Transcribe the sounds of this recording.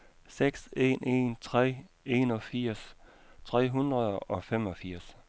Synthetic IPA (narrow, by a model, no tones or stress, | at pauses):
seɡ̥se̝̰ːnʔe̝̰nt͡sʰʁɛ̰ː | e̝nɒ̽fiɐ̰st͡sʰʁɛ̰ːɦund̥ʁɐðˠɒ̽fem̰ɒ̽fiɐ̰s